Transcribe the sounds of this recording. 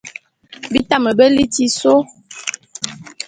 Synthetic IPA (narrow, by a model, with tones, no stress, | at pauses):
bi˦ta˦mə˨bə˦li˦ti˦so˦